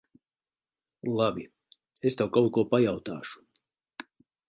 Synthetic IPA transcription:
lˠabʲi | est̪awkawt̪̚kuɔpajawt̪aːʃu̥

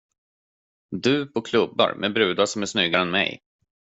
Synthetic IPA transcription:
d̪ɵːpʰɔkʰlɵbːa̰ɾmʔɛbɾʉ̟ːd̪aʂɔmæʂnʏɡaɾɛnmɛ̰j

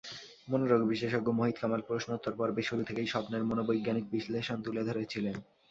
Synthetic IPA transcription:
monoɾoɡbiʃeʃoɡomoɦit̪kamalpɾosnot̪ːoɾpɔɾbeʃuɾut̪ʰekejʃɔpneɾmonobojɡːanik̚bisleʃont̪uled̪ʱoɾet͡ɕʰilen

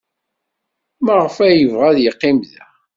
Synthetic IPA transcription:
məʁəfæjəvʁæðjəqːimðæ

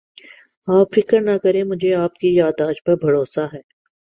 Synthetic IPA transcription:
aːpfɪkəɾnakɐɾẽmʊd͡ʒʱeaːpkijaːd̪aːʃpɐɾbʱɐɾoːsaɦɛː

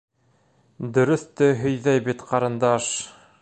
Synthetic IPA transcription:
d̪ɵ̆ɾɵ̆θt̪ɘɦɵ̆jðæjbit̪qɑɾɤ̆nd̪ɑʃ

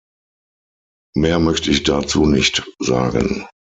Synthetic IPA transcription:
meːɐmœçtəɪçd̥at͡suːnɪçtz̥a̰ːɡə̰n

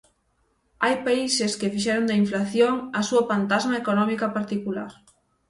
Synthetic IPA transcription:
ajpaiseskɪfiʃɛɾond̪ɐiɱflaθjoŋɐsuɐfant̪azmaekonɔmikɐpaɾt̪ikulaɾ

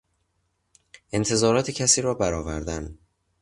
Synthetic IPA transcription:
ʔe̞nt̪ʰe̞zɒːɾɒːt̪ʰecʰæsiːɾɒːbæɾɒːvæ̰ɾd̪æn

